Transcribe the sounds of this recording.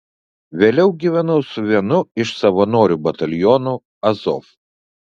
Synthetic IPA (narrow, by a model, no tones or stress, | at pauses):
ʋʲeːlʲɛʊɡʲiʋʲɛnɐʊsʊʋʲiɛnʊɪʃsɐʋɐnoːɾʲubɐt̪ɐlʲjɔnu | ɐzɔ̰f